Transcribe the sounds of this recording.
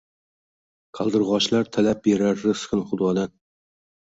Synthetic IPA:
kʰɑlˠd̪ɨɾʁɑʃlaɾt̪ʰælap̚beɾaɾːɨsχɨnχʊd̪wɑd̪an

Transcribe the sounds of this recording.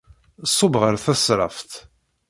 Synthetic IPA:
sˤːobʁəɾθæsɾˤɑ̰ft̪

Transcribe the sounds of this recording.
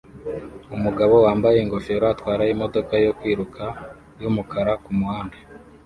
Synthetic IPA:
umuɡaβo̞waːmbaje̞ŋɡo̞feɾoatwaːɾaimo̞do̞kajo̞kwiːɾukʰa | jumukʰaɾakumuhaːndḁ

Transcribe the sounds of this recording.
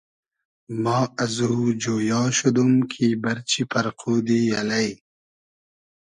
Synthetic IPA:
maːɐzuɦud͡ʑoːjɑːɕud̪umkʰiːbɐɾt͡ɕipɐɾquːd̪ijɐlɐj

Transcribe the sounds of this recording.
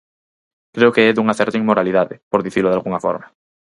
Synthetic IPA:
kɾeokeeðuŋaθɛɾt̪iŋmoɾaliðaðḛpoɾðiθiɾloðalɣuŋafo̰ɾma

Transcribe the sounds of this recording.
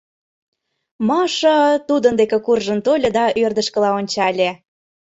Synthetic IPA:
mɑʃɤ̆t̪ud̪ənd̪ekekurʒə̆nt̪olʲɤ̆d̪ɑʔørd̪əʃkə̆lɑonʲt͡ɕɑlʲe

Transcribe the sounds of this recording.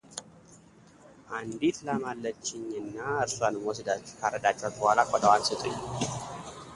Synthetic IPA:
ʔand̪it̪lamalːət͡ʃːɪɲːɨnːaɨɾswanmwɔs̬d̪at͡ʃːu̥kʰaɾəd̪at͡ʃːɛat̪ʼːbəhalakʷʼɔd̪əwansɨt̪ʼɨɲː

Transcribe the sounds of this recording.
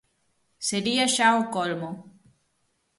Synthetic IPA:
seɾiaʃaokolmo

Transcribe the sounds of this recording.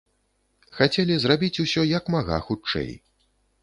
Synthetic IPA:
xat͡sʲɛlʲizrabʲit͡sʲusʲɔjɐkmaɣa̰xut͡ʂɛ̰j

